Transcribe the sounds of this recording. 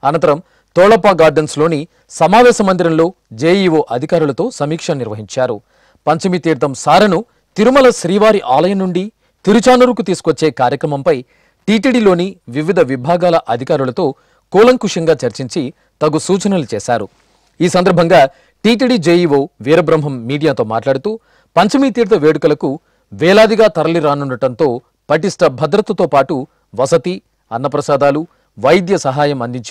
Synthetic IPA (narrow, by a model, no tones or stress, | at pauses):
ɐnɐnt̪ɐɾɐm | t̪ɔːɭɐpaːɡaːɾɖenslo̞ːni | sɐmaːʋɛːʃɐmɐnd̪iɾɐnlo̞ː | d͡ʒeːjiʋoːʔɐd̪ʱikaːɾulɐt̪o̞ːsɐmiːkʂɐniɾʋɐɦiɲt͡ʃaːɾṵ | pɐɲt͡ʃɐmit̪iːɾd̪ɐmsaːɾɐnu | t̪iɾumɐlɐʃɾiːʋaːɾiʔaːlɐjɐnːuɳɖi | t̪iɾut͡ʃaːnuɾukut̪iːsu̥kʋɐt͡ʃːeːkaːɾjɐkɾɐmɐmpɐj | ʈiːʈiɽiːlo̞ːniʋiʋid̪ʱɐʋibʱaːɡaːlɐʔɐd̪ʱikaːɾulɐt̪o̞ː | kuːlɐŋkuʂɐŋɡaːt͡ʃɐɾt͡ʃiɲt͡ʃi | t̪ɐɡusuːt͡ʃɐnɐlut͡ʃɛːsaːɾu | iːsɐnd̪ɐɾbʱɐŋɡaː | ʈiːʈ̬iɖiːd͡ʒeːjiʋoːʋiːɾɐbɾɐmɦɐmːiːɽijaːt̪o̞ːma̰ːʈlaːɽut̪uː | pɐɲt͡ʃɐmit̪iːɾt̪ɐʋeːɽukɐlɐku | ʋɛːlaːd̪iɡaːt̪ɐɾɐliɾaːnuɳɖɐʈɐnt̪o̞ː | pɐʈ̬isʈɐbʱɐd̪ɾɐt̪ːɐt̪oːpaːʈu | ʋɐsɐt̪i | ɐnːɐpɾɐsaːd̪aːlu | ʋɐjd̪jɐsɐɦaːjɐmɐnd̪iɲt͡ʃ